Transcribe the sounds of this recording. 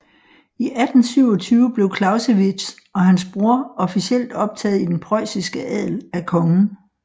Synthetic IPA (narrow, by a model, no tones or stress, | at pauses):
iʔæd̥n̩syʊ̰ɒ̽t͡sʰyːʊəb̥le̝ʊkʰlɑ̈ʊseʋis | ɒ̽ɦænsb̥ʁu̝ɐ̰ɒ̽fisiel̰d̥ɒ̽b̥̚t͡sʰɛːð̩ˠid̥enpʰʁɒɪ̰sisɡ̥əʔɛð̰ˠlækʰɒ̽ŋn̩